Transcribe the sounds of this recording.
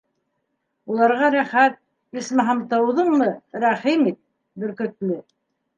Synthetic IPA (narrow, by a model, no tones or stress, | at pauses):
ulˠɑɾʁɑɾæχæt̪̚ | ismɘɦɑmt̪ɤwðɤɴmɤɾæχimit̪̚ | bɘ̆ɾkɵ̆t̪lɘ